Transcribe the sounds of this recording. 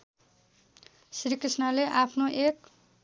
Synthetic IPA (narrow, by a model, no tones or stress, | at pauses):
srikrisnʌleʔapʰnoʔek̚